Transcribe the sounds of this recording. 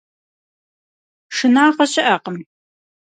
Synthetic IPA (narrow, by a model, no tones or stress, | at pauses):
ʂɨnaːqɐɕʼɪʔɐqəm